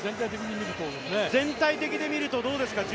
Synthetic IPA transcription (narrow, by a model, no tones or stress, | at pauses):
zẽ̞nt̪̬ait̪e̞kʲiɲ̟imʲiɾɯ̟t̪od̪enezẽ̞nt̪ait̪e̞kʲid̪e̞mʲiɾɯ̟t̪o̞d̪o̞ːd̪e̞sɨ̥kaʑ